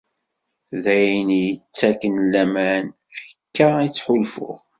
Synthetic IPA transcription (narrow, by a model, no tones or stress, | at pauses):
ðæjnjət͡sːækːənlːæmæn | fə̥kːəit͡sːħʊlfʊ̰ʁ